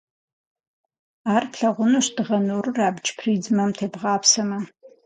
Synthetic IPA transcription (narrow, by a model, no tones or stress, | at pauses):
aːrpɬɐʁʷʊnoɕd̥ɨʁɐnoːrɨraːbd͡ʒʼpʰriːd͡zmɐmtʰeːbʁɑːpʰsɐmɐ